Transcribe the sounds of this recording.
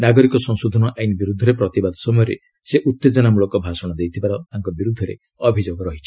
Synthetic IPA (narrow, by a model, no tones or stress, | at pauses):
naɡɔɾikɔsɔŋsud̪ʱɔnɔʔajnibiɾud̪ʱːɔɾepɾɔt̪ibad̪ʱɔ̥sɔmɔjɔɾḛ | seʔut̪ːed͡ʒɔnamuɭɔkɔbʱasɔɽ̃ɔd̪ejt̪ʰibaɾɔt̪aŋkɔbiɾud̪ʱːɔɾḛ | ɔbʱid͡ʒoɡɔɾɔɦit͡ʃʰi̥